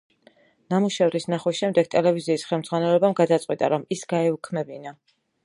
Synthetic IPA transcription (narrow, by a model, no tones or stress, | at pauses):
namuʃɛvɾisnaχwisʃɛmd̪ɛɡ̚t̪ʼɛlɛviziːsχɛlˠmd̪zʁwanɛlɛbamɡad̪at̪sʼqʼwit̪ʼa̰ɾɔmisɡaɛukʰmɛbina